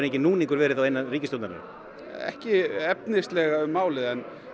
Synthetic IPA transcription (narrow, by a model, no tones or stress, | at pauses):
ɾneɲcɪnuːnĩŋkʏɾvɛːɾɪðθawejnːariːcɪst̪owt̪ana̰ɾɪ̰ | ɛ̰hcɪɛpnɪst̪lɛɣaʏmːaːwlɪðɛn